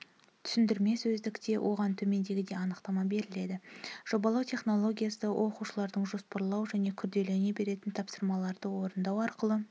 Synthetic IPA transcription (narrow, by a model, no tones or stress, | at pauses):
t̪ʰʏ̥sɪnd̪ɪɾme̞sɵzd̪ɪkt̪e̞wʔo̞̰ʁɑnt̪ʰɵme̞nd̪e̞ɡʲɪd̪e̞ɑnəqt̪ɑmɑbe̞ɾɪle̞d̪ɪʒ̥o̞bɑlˠɑwt̪ʰe̞χno̞lˠo̞ɡʲijasəwʔo̞quʃəlˠɑɾd̪əɴʒo̞spɑɾlˠɑwʒæne̞kʲʰʏɾd̪e̞le̞ne̞be̞ɾe̞t̪ɪnt̪ʰɑpsəɾmɑlˠɑɾd̪əwo̞ɾənd̪ɑwɑɾqəlˠə